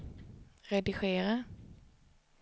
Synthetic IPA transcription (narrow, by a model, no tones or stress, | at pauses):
ɾɛd̪ɪɧeːɾa